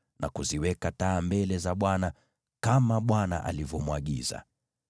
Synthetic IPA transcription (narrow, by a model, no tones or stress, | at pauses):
na̰kuziwɛkataːmbɛlɛzaɓwana | kamaɓwana̰ʔa̰livjɔmwaɠiza̰